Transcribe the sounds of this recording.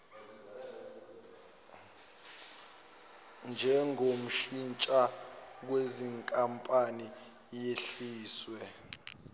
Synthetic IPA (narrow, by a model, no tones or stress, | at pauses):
nd͡ʒʱɛŋom̩ʃint͡ʃʼak̬weziŋkʼampʼani | jeɬiːswɛ